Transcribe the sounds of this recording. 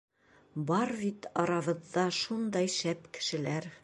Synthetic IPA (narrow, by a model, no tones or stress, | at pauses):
bɒɾbit̪ɒɾɑβɤ̆ðːɑʃund̪ɑjʃæpkɘ̥̆ʃɘ̆læɾ